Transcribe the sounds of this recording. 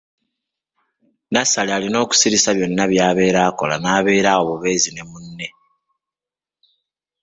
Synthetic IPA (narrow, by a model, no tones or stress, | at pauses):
nasalealino̞ːku̥siɾisaβjo̞nːaβjaːβe̞ːɾaːkolanaːβe̞ːɾaoβoβe̞ːzine̞munːe̞